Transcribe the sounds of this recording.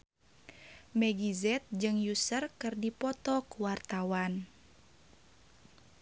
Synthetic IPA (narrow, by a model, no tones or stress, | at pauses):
mɛɡizɛt̪̚d͡ʒɨŋjusərkɨrdipɔt̪ɔkuwart̪awan